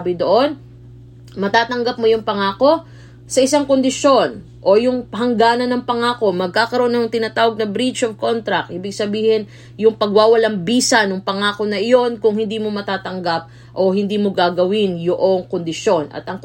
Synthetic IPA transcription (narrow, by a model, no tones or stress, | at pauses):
bɪd̪oʔo̞n | mɐt̪aːt̪ɐŋɡɐp̚mo̞jʊŋpɐŋaːko̞ | sɐʔɪsaŋkond̪ɪʃo̞n | ʔo̞jʊŋɦɐŋɡaːnɐnːɐŋpɐŋaːko̞mɐɡ̚kaːkɐɾoʔnɐjʊŋt̪ɪnaːt̪aːwɐɡ̚nɐbɾit͡ʃovko̞nt̪ɾɐkʔiːbɪɡsɐbiːhɪn | jʊŋpɐɡwaːwɐlɐŋbiːsɐnoŋpɐŋaːko̞nɐʔɪjo̞nkʊŋhɪnd̪iːmo̞mɐt̪aːt̪ɐŋɡap̚ | ʔo̞hɪnd̪iːmo̞ɡaːɡɐwɪnjoʔo̞ŋkond̪ɪʃjo̞nʔɐ̰t̪ɐŋ